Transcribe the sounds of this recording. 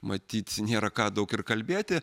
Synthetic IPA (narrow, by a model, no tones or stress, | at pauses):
mɐt̪ʲiːt̪nʲeːɾɐkɑːd̪ɐʊkɪrkɐlʲbʲeːt̪ʲɪ